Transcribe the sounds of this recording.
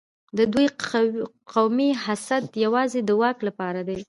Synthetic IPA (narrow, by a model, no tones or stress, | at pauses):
d̪əd̪uj | qawmiɦasat̪jawɑzed̪əwɑklapɑɾad̪ej